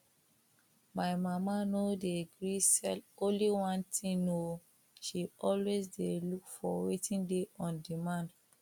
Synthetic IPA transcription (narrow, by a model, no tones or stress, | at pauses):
maɪmamanodeɡɹisɛlõnliwɔ̃ntʰĩno | ʃiɔlwezdelukfɔwetĩndeʔɔ̃ndimãnd